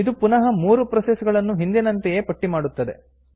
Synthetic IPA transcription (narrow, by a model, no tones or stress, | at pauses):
id̪upunɐɦɐmuːɾupɾɐsesuɡɐɭɐnːuɦind̪inɐnt̪ɛjeːpɐʈːimaːɽut̪ːɐd̪e̞̰